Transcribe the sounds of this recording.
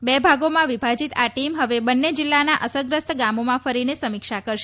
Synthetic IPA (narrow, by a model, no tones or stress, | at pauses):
bebʱaɡomãʋibʱad͡ʒit̪aʈimɦəʋebənːed͡ʒilːanaʔəsəɡɾəst̪ɡamomãfəɾinesəmikʃakəɾʃe